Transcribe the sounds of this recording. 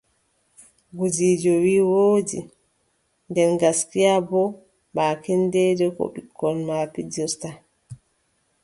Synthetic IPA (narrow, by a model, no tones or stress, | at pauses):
ɡud͡ʒiːd͡ʒɔwiːwoːdḭ | ndɛnɡaskijabɔ | baːkɛndɛːdɛkɔ̰ɓikʰːɔnmapid͡ʒɔsta